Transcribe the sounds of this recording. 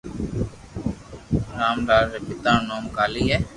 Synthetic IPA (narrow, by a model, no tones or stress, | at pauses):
ɾaːmɖaːlɾepɪt̪aːnoːmkaːliːɦɛː